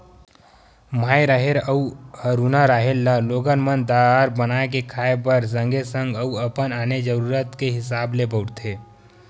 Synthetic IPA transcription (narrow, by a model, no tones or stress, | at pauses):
maːjɾaɦeɾəuhəɾunaɾaːɦeɾləloːɡənmənd̪aɾbənaːek̬ekʰaːepəɾs̬ə̃ŋɡesə̃ŋɡəuəpənaːned͡ʒəɾuːɾət̪keɦɪs̬aːblebəʊɾt̪ʰeː